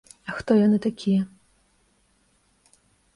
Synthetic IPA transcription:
ɐxt̪ɔjanɨt̪akʲʰijɛ

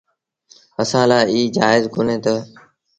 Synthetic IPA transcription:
əsãːlaːɪiːd͡ʒaːɪzkʊnẽːt̪ə

